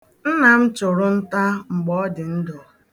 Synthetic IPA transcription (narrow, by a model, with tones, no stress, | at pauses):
n̩˦na˨m̩˦t͡ʃʊ˨ɾʊ˦n̩˦ta˦ŋ͡m̩˨ɡ͡bɔ˦dɪ˨n̩˦dʊ˨